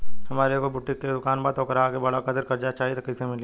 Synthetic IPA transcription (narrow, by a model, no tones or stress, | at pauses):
hɐmaːɾekobʊʈːɪkːed̪ʊkaːnbat̪oːkɾaakebɐɽakəd̪əɾkɐɾd͡ʒat͡ʃaːɦit̪ɐkɐsemɪli